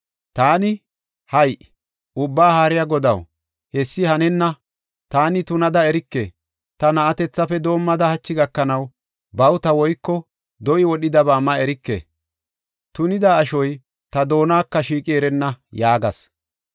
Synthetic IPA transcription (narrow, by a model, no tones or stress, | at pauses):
t̪aːnɪ | hɐjʔ | ʔʊbːaːhaːɾɪjaɡɔd̪ɐw | hɛsːɪhɐnɛnːɐ | t̪aːnɪt̪ʊnɐd̪ɐɛɾɪkːe | t̪ɐnɐʔɐt̪ɛt͡sːɐfɛd̪o̞ːmːɐd̪ɐhɐt͡ʃːɪɡɐkːɐnɐw | bɐwt̪ɐwɔjkːɔ | d̪ɔʔɪwɔɗɪd̪ɐbaːmːɐɛɾɪkːḛ | t̪ʊnɪd̪aːʃɔj | t̪ɐd̪o̞ːnaːkːɐʃiːkʼɪɛɾɛnːɐjaːɡɐs